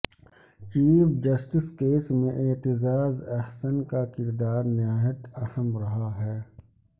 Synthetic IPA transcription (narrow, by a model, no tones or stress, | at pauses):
t͡ʃiːfd͡ʒɐsʈɪskeːsmẽʔeːt̪ɪzaːzɐhsənkakɪɾd̪aːɾnɪaːjət̪ɐhəmɾɐɦaɦɛː